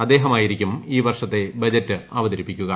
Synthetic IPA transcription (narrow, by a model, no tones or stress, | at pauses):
ɐd̪ːe̞ːɦɐmaːjiɾikʲːumiːʋɐrʂɐt̪ːe̞bɐd͡ʑɐtːɨɐʋɐd̪ɐɾipːikʲːuɣɐ